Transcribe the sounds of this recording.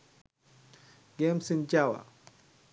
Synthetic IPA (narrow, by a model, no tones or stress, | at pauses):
ɡɛmsind͡ʒawa̰